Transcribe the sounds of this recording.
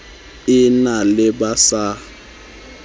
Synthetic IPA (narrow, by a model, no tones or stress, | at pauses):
ɪnalɪbasa